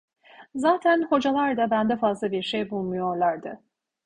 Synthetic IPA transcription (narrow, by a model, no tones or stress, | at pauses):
zaːt̪ʰænho̞d͡ʒalˠaɾd̪abænd̪ɛfazlˠabiɾʃejbulˠmujo̞ɾlˠaɾd̪ɯ